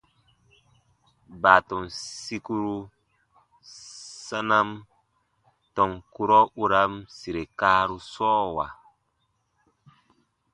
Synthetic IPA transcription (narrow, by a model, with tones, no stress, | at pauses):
ba˨tɔ˨nsi˦ku˦ɾu˦ | sa˦na˦m | tɔ˨ŋku˦ɾɔ˦u˦ɾa˦msi˨ɾe˨kaː˦ɾu˦sɔː˦wa̰˨